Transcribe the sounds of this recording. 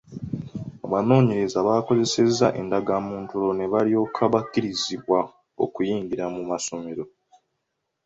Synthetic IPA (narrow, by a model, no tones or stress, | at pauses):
aβano̞ːɲe̞ɾe̞zaβaːko̞ze̞se̞zːaʔe̞̰ndaɡamuːntulo̞ne̞βalio̞ːkʰaβakːiɾiziβwa | o̞̰kujiːŋɡiɾamumaso̞me̞ɾo̞